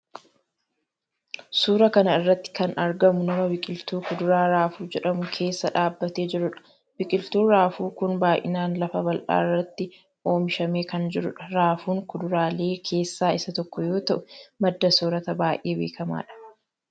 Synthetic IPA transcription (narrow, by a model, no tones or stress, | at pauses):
suːɾɐkɐnɐɪrːɐt̪ːɪ̥kɐnɐɾɡɐmʊnɐmɐbɪkʼɪlt̪uːkʊd̪ʊɾaːɾaːfuːd͡ʒɛᶑɐmʊkʰe̞ːsːɐᶑaːbːɐt̪e̞ːd͡ʒɪɾʊᶑɐ̥ | bɪkʼɪlt̪uːɾaːfuːkʊnbaːʔɪ̰naːnlɐfɐbɐlʔa̰ːɪrːɐt̪ːɪ | ʔo̞ːmɪʃɐme̞ːkɐnd͡ʒɪɾʊᶑɐɾaːfuːŋkʊd̪ʊɾaːle̞ːkʰe̞ːsːaːɪsɐt̪ɔkːɔjo̞ːt̪ɐʔʊmɐd̪ːɐsoːɾɐt̪ɐbaːjʔeːbe̞ːkɐma̰ːᶑɐ̥